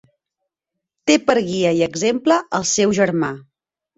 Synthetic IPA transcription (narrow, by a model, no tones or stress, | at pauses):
t̪epəɾɣiəiəɡzempləʔəlˠsɛwʒəɾma